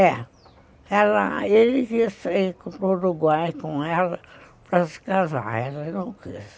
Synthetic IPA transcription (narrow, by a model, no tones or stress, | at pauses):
ɛ | ɛlɐ̰elɪkisekõt̪oɾuɡwajkõɛlɐpɾɐsɪ̥kaza̰ɛlɐenɐ̃w̃kḛs